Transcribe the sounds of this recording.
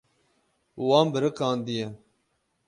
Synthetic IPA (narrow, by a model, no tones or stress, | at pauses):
wɑːmbəɾɨkɑːnd̪ijɛ